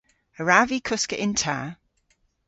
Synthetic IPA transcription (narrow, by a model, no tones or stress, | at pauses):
əɹavikʰʊskəʔɪ̃ntʰa̰ː